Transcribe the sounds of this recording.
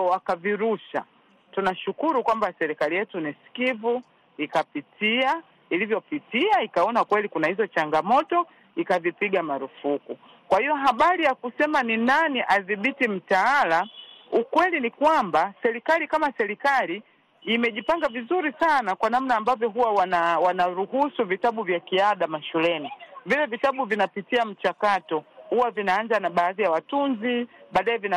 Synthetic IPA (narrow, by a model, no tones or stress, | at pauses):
akaviɾuʃa̰ | tunaʃukuɾukwambasɛɾikalijɛtuniskivu | ikapitʰia | ilivjɔpitiaikaɔnakwɛlikunahizɔt͡ʃaŋɡamɔtɔ | ikavipiɠamaɾufuku | kwahijɔɦaɓaɾijakusɛmaninaniʔaðiɓitim̩taalaukwɛlinikwambasɛɾikalikamasɛɾikaliː | mɛʄipaŋɡavizuɾisanakwanam̩naːmbavjɔɦuwawanawanaɾuhusuvitaɓuvjakiaɗamaʃulɛnivilɛvitaɓuvinapitiam̩t͡ʃakatɔhuwavinaːnzanaɓaːðijawatunziɓaːɗaɛvina